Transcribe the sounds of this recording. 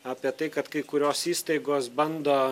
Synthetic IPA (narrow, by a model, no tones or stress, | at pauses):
aːpʲiɛt̪ɐɪkɐt̪kɐɪkʊɾʲoːsiːst̪ɐɪɡoːsbɐnd̪oː